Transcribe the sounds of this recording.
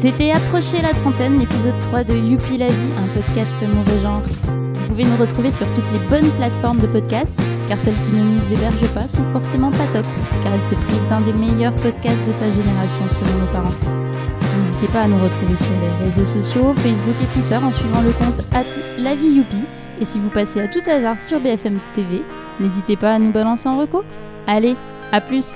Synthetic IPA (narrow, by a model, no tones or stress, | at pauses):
set̪ɛapχɔʃelat̪χɑ̃t̪ɛnlepizɔd̪̚t̪χwad̪əjupilaviʔɛ̃pɔd̪kʲast̪mɔvɛʒɑ̃ʁ | vupuvenuʁət̪χuvesyʁt̪ut̪lebɔnplat̪fɔʁmd̪əpɔd̪kʲast̪ | kaʁsɛlkʲinənuzebɛʁʒəpasɔ̃fɔʁsemɑ̃pat̪ɔpkaʁilsɛpχivd̪ɛ̃d̪emejœʁpɔd̪kʲast̪̚d̪əsaʒeneʁasjɔ̃səlɔ̃nopaʁɑ̃ | nezit̪epaːnuʁət̪χuvesyʁleʁezosɔsjofɛs̬buket̪wit̪œʁɑ̃sɥivɑ̃ləkɔ̃t̪at̪lavijupi | esivupaseat̪ut̪azaʁsyʁbeɛfɛmt̪eve | nezit̪epaːnubalɑ̃seɑ̃ʁəku | ale | aplys